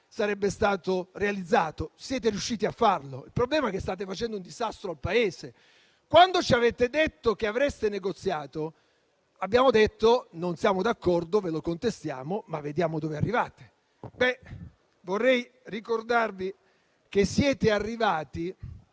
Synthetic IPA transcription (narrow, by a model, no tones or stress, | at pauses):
saɾɛbːest̪aːt̪orealid̪zːaːt̪osjɛːt̪̬eɾiuʃːiːt̪iafːarloilpɾoblɛːmaɛkest̪aːt̪̬efat͡ʃɛnd̪ound̪izast̪ɾoalpaeːse | kwand̪ot͡ʃiavet̪ed̪et̪ːokeavɾɛst̪eneɡot̪sːjaːt̪o | abːjaːmod̪et̪ːononsjaːmod̪akːɔrd̪ovelokont̪est̪ja̰ːmomavːed̪jaːmod̪oːvea̰rːivaːt̪e̥ | bɛ | vorːɛj | rikord̪arvi | k̟esːjɛːt̪earːivaːt̪i